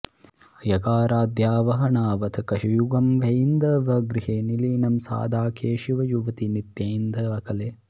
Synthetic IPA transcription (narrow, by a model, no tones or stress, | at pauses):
jɐkaːɾaːd̪jaːʋɐɦɐɳaːʋɐt̪ʰɐkɐʃijuɡɐmʋɐjnd̪ɐʋɐɡɾiɦeːniliːnɐmsa̰ːd̪ʱaːkeːʃiʋɐjuʋɐt̪init̪jeːnd̪ʱɐɐkɐleː